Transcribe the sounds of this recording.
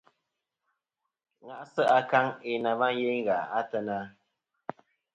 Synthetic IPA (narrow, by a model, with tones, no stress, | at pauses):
ŋa˨ʔsə˦ʔa˧ka˦ŋe˨na˨va˦nje˦ŋ˦ɣa˨a˦tə˦na˦